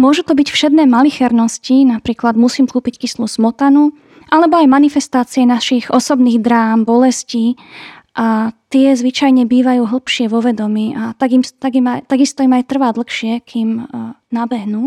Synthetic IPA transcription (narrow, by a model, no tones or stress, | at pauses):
mʊɔʒut̪ɔbicfʃɛd̪nɛːmalixɛɾnɔscinapɾiːklad̪musiːmkuːpickislusmɔt̪anu | ʔalɛbɔajmanifɛst̪aːt͡siɛnaʃiɣɔsɔbniːɣd̪ɾaːmbɔlɛsciː | ʔat̪ɪɛzʋit͡ʃajɲɛbiːʋajuːɦl̩ˠpʃɪɛʋɔʋɛd̪ɔmiːʔat̪aɡimt̪aɡimajt̪aɡist̪ɔimajt̪r̩ʋaːd̪l̩xʃɪɛkʰiːm | nabɛɦnuː